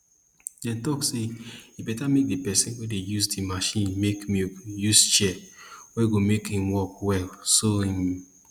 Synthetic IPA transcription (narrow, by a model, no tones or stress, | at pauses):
dɛ̃ntɔksejibɛtamek̚dipɛsĩnwedejusdimaʃĩnmekmijust͡ʃɛwɛɡomekĩmwɔkwɛlsoĩm